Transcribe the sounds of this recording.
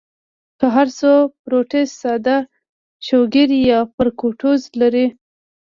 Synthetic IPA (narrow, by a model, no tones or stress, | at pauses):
kəɦaɾsopɾoʈestsɑd̪a | ʃoɡɪɾjɑpəɾkoʈozlaɾi